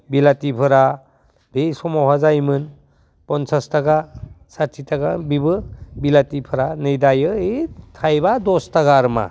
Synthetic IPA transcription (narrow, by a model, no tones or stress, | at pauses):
bilatipʰɯɾa | besɔmawɦazajmɯn | pɔnsʰastaɡasatʰitaɡabibɯbilatipʰɯɾanɯjdajɯetʰajbadɔstaɡaːɾma̰